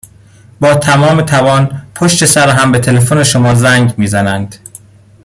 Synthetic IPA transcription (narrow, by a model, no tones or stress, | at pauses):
bɒːt̪ʰæmɒːmet̪ʰævɒːnpʰoʃt̪e̞sæɾɦæmbet̪ʰe̞lefone̞ʃomɒːzæŋɡmiːzænænd̪̥